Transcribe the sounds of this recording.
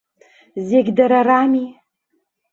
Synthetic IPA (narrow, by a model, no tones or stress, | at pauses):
zeɡʲdaɾarami